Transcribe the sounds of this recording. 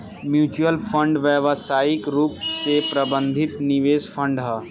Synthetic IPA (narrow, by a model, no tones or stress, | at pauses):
mjuːt͡ʃuəlpʰə̃ɳɖʋjɛʋsaːɪkɾuːpsepɾɐbə̃nd̪ʱɪt̪nɪʋeːspʰə̃ɳɖɦɐː